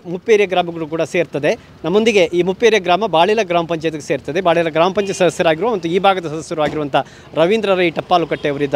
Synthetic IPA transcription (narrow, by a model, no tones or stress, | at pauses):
mupːeːɾjɐɡɾaːmɐɡɐɭuk̬uːɽɐseːɾt̪ɐd̪e̞ | nɐmːond̪iɡe̞ʔiːmupːeːɾjɐɡɾaːmɐbaːɭilɐɡɾaːmɐpɐɲt͡ʃɐjt̪ɐkːese̞ːɾt̪ɐd̪ebaːɭilɐɡɾaːmɐpɐɲt͡ʃesɐd̪ɐsjɐɾaːɡiɾuʋɐmɐnt̪ːuiːbʱaːɡɐd̪ɐsɐd̪ɐsjɐɾuʋaːɡiɾuʋɐnt̪ʰɐ | ɾɐʋind̪ɾɐɾɐiːʈɐpːaːlukɐʈːeɐʋɐɾid̪ːɐ